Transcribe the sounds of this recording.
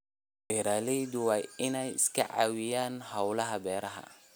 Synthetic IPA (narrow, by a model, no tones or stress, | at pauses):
bɛɾaːlɛjd̪ʊwaːjɪnɛjɪskʰɐ̰ʕa̰wɪjaːnhɐwlɐɦɐbɛːɾɐɦɐ̰